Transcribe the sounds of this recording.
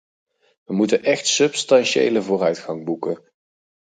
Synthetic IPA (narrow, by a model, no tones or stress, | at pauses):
ʋəmutənʔɛχtsɵpstɑnʃḛjləvʊːrœɥtχɑŋbukə